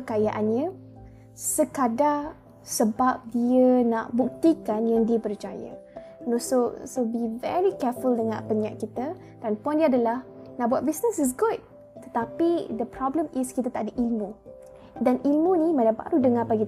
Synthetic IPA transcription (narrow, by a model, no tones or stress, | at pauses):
əkajaʔanɲə̃ | səkada | səbap̚diənaʔbuk̚t̪ikanjaŋdiəpərt͡ʃajə̰ | nososobivɛ̰ɹikɛfuldəŋã̰pəna̰ʔkit̪ə | d̥anpɔ̃ndiadəlahnaʔbuwat̚bisnəsis̬ɡut̚ | t̪ə̥t̪apidəpɾɔblə̃miskit̪ət̪aʔdəʔilmu | danilmunimãdaba̰ɾudəŋapaɡi